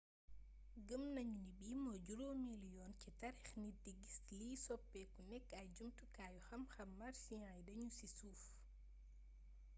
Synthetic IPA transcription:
ɡəmnɐɲunibiːmɔɟuɾomiljɔːncitɐɾɛxnidiɡisliːsɔpːɛkunɛkːɐɟumtukaːjuxɐmxɐmːɐrsiɲãːjdɐɲusisuːf

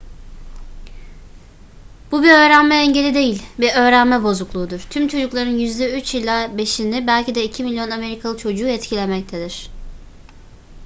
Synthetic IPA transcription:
b̥ubiø̞ːɾænmɛːɲɟe̞lʲid̪e̞jilʲbiø̞ːɾænmɛbo̞zuklˠuːd̪uɾ̥t̪ʰymt͡ʃʰo̞d͡ʒuklˠaɾɯnjyzd̪ɛyt͡ʃilʲaːbe̞ʃinibælʲcʰid̪ɛicʰimilʲjo̞name̞ɾikʰalˠɯt͡ʃʰo̞d͡ʒuːɛt̪cʰilʲemɛc̚t̪ʰed̪iɾ̥

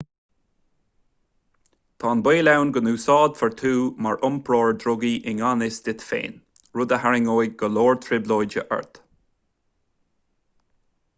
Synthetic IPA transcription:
t̪ʰɑːnbeːlawnɡənuːsɑːd̪fəɹt̪ʰuːmaɹʔʊmpʰɹoːɹd̪ɾʊɡiʔɪŋanɪsd̥̪ɪt̪fḛːn | ɹʊd̪əhaɹɪŋoːjɡ̚ɡəloːɹt̪ʰɹɪbloːjd͡ʒə̰ʔɛ̰ɹt̪

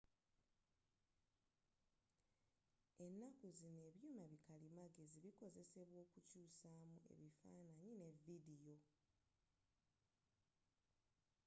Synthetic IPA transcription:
e̞nːakuzine̞ːβjuːmaβikalimaɡe̞ziβiko̞ze̞se̞βwo̞ːkucuːsaːmue̞̰βifa̰ːnaɲine̞vːidijo̞

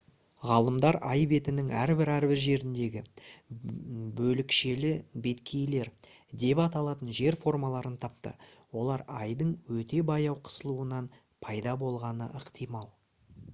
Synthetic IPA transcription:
ʁɑlˠəmd̪ɑɾʔɑjbe̞t̪ɪnɪŋæɾbɪɾæɾbɪɾʒe̞ɾɪnd̪e̞ɡʲɪ | bɵlɪkʃe̞lɪbe̞t̪kʲʰe̞jle̞ɾ | d̪e̞pɑt̪ɑlˠɑt̪ənʒe̞ɾfo̞rmɑlˠɑɾənt̪ʰɑp̚t̪ə̰wo̞lˠɑɾɑjd̪əɴwɵt̪e̞bɑjɑwqʰə̥səlˠuənɑn | pʰɑjd̪ɑbo̞lˠʁɑnə̰əqt̪ijmɑlˠ

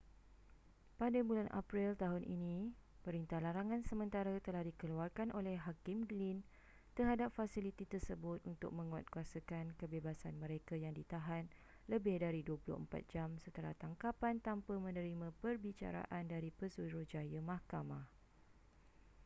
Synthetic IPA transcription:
padabulanʔa̰pɾilt̪aɦʊnʔḭnĩ | pəɾint̪ahlaɾaŋãnsəmə̃nt̪aɾat̪əlahdikəluarkanʔolɛhɦakɪmɡlin | t̪ərɦadap̚fasilit̪it̪ərsəbʊt̪̚unt̪ʊ̰k̚mə̃ŋua̰t̪̚kuasakankəbebasanmə̃ɾekajaŋdit̪aɦan | ləbɪhdaɾiduəpulʊ̰hə̰mpa̰t̪̚d͡ʒamsət̪əla̰ht̪aŋkapant̪ampamə̃nə̃ɾimãpərbit͡ʃa̰ɾa̰ʔandaɾipəsuɾuhd͡ʒajəmãhkamãh

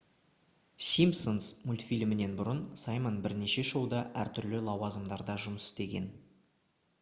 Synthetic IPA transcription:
sʲimsonsmʊlʲt̪ʲfijlmɪne̞nbʊɾənsɑjmonbɪɾne̞ʃe̞ʒəwd̪ɑʔæɾt̪ʰʏɾlɪlˠɑwɑzəmd̪ɑɾd̪ɑʒʊməsɪ̥st̪e̞ɡʲe̞̰n

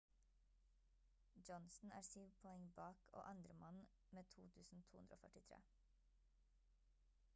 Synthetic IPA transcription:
d͡ʒɔnsn̩æ̰ːɾsyːʋpʰɔɛŋbɑːkʰo̰ːʔɑnd̪ɾəmɑn | meːt̪ʰuːt̪ʰʉːsn̩t̪ʰuːʉnd̪ɾoːfœʈɪt̪ʰɾḛː

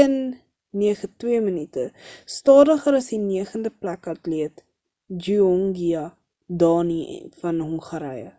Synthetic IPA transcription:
ənː | iəχətwiəmənitəstɑːdəχəɾɐsdiniəχəndəplækɐtliət | d͡ʒyɔŋɡiɐ | dɑːnḭfɐnɦɔŋχəɾɛjə̰

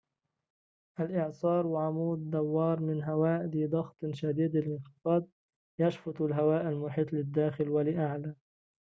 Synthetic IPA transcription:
ʔalʔɪʕsˤɑːɾˤwɪʕamuːd̪ːawːɑːɾˤmɪnɦawaːʔd̪id̪ˤɑɣt̪ˤʃad̪iːd̪ɪlʔɪnxɪfɑːd̪̚ | jaʃfʊt̪ˤalɦawaːʔalmʊħiːt̪ˤlɪd̪ːaːxɪlwalɪʔaʕla

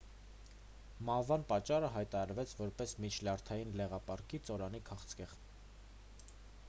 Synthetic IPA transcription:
mɑhvɑnpɑt͡ʃːɑrəɦɑjt̪ɑɾɑɾvɛt͡sʰvɔɾpɛsmit͡ʃʰlɑɾt̪ʰɑjinlɛʁɑpɑɾkit͡sɔɾɑnikʰɑχt͡sʰkɛʁ

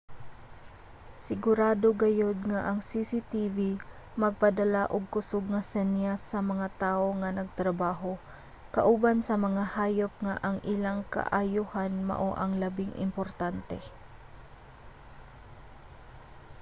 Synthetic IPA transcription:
sɪɡʊɾaːd̪oɡɐjod̪̚ŋaʔɐŋsisit̪ivi | mɐɡ̚pɐd̪ɐlaʔʊɡ̚kʊsʊɡ̚ŋɐsɛnjasːɐmɐŋat̪aːʔoŋɐnɐɡ̚t̪ɾɐbaːɦo | kɐʔubansɐmɐŋahaːjop̚ŋaʔɐŋʔɪlaŋka̰ʔajuhanmɐ̰ʔoʔɐŋlɐbɪŋʔɪ̰mpoɾt̪ant̪ɛ̰

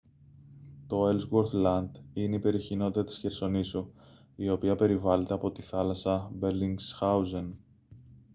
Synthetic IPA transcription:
t̪o̞e̞lzɣoɾθlɐnd̪̥ineipe̞ɾioçino̞t̪it̪ɐt̪i̥sçe̞ɾso̞nisu | io̞piɐpe̞ɾivɐle̞t̪e̞ɐpo̞t̪iθɐlɐsɐbeɾliŋɡsxɐuzen

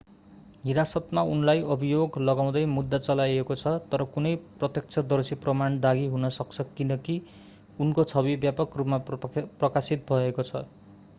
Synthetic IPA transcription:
ɦiɾasʌt̪maunlajʌbʱijoɡlʌɡaw̃d̪ʌjmud̪ːat͡sʌlajekot͡sʰʌt̪ʌɾʌkunʌjprʌt̪jʌk̚t͡sʰʌd̪ʌrsiprʌmaɳd̪aɡiɦunʌsʌk̚t͡sʰʌkinʌki | unkot͡sʰʌbibjapʌkrupmaprʌkasit̪̚bʱʌekot͡sʰʌ

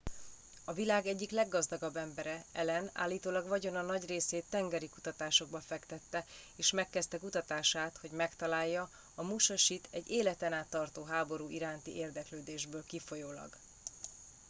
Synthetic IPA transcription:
ɒvilaːɡɛɟːiklɛɡːɒzd̪ɒɡɒbːɛmbɛɾɛɛlɛna̰ːlːiːt̪oːlɒɡvɒɟo̞nɒnɒɟreːseːt̪ːɛŋɡɛɾikut̪ɒt̪aːʃo̞ɡbɒfɛkt̪ɛt̪ːɛeːʃmɛkːɛst̪ɛkut̪ɒt̪aːʃaːt̪ho̞ɟmɛkt̪ɒlaːjːɒ | ɒmuʃɒʃit̪ʰɛɟːeːlɛt̪ɛnaːt̪ːɒrt̪oːɦaːbo̞ɾuːʔiɾaːnt̪iʔeːrd̪ɛkløːd̪eːʒbøːlkifo̞joːlɒ̰ɡ

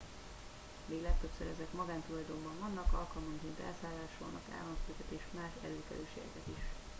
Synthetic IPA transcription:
veːlɛk̚t̪øpsøɾɛzɛkmɒɡaːnt̪ulɒjd̪ombɒɱvɒnːɒkɒlkɒlmɒŋkeːnt̪ɛ̰lsaːlːaːʃo̰ːnɒ̰ka̰ːlːɒnsøːkɛt̪eːʃmaːʃɛ̰løːkɛ̰løːʃḛːɡɛ̰kɛt̪iʃ

